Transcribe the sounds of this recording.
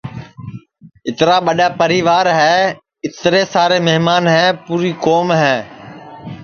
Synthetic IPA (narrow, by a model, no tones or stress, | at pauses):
ɪt̪ɾaːɓəɗaːpəɾiːʋaːɾɦɛː | ɪt̪ɾeːsaːɾeːmeɦmaːnɦɛːpuːɾiːkoːmɦɛː